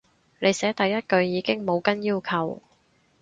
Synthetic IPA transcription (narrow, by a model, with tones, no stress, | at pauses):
ne˨˧jsɛː˨˥t̪ɐ˨jːɐ˥t̚kɵ˧ɥjiː˨˧kɪ˥ŋmo˨˧wkɐ˥njiː˥wkʰɐ˨w